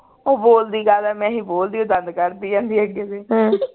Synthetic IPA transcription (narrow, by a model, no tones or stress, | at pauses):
oːboːld̪iːɡaːlɛːmɛ̃ːɦĩːboːld̪iːõːd̪ənd̪kəɾd̪iːãːnd̪iːəɡeːd̪ẽː